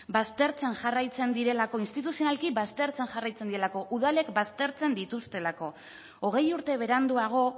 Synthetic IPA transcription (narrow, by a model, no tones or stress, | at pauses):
bast̪e̞ɾt͡se̞nʝarajt͡se̞nd̪iɾe̞lako̞inst̪it̪usionalkibast̪e̞ɾt͡se̞nʝarajt͡se̞nd̪iɾe̞lako̞ʔuð̞ale̞kbast̪e̞ɾt͡se̞nd̪it̪ust̪e̞lako̞ | oɣ̞e̞juɾt̪e̞β̞e̞ɾand̪uaɣ̞o̞